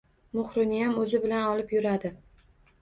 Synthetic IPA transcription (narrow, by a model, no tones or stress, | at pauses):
mʊχɾɪnɪjamɵzɪbɪlanɒlɪpjʊɾad̪ɪ